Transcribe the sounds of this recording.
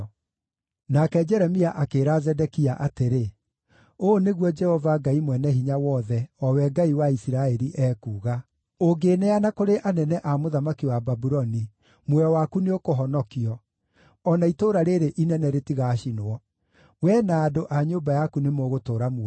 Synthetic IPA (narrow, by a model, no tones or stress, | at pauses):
nakɛd͡ʒɛɾɛmiaʔakeːɾazɛdɛkiaʔateɾe | oneɣwɔd͡ʒɛhɔvaɡaimwɛnɛɦiɲawɔðɛɔwɛɡaiwaisiɾaɛɾiʔɛːkuːɣa | oɡenɛanakoɾeʔanɛnɛʔamoðamakiwababuɾɔni | mwɛɔwakuneokoɦɔnɔkiɔ | ɔnaitoːɾaɾeɾeʔinɛnɛɾetiɣaʃinoɔ | wɛnaːdoʔaɲobajakunemoːɣotoːɾamwɛ